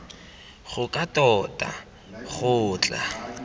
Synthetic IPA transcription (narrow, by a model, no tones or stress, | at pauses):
χʊkʼatʼɔtʼa̰ | χʊːt͡ɬʼa̰